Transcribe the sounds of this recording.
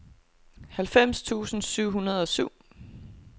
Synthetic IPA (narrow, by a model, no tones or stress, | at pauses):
hælfem̰st͡sʰṵːsn̩syʊ̰ɦhunɐð̞ˠɒ̽syʊ̰